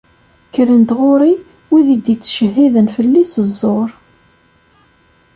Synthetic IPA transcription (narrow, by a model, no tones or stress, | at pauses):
kːəɾənd̪ʁʊɾi | wiðid̪it͡sːʃəɦːiðənfəlːisəzˤːoɾˤ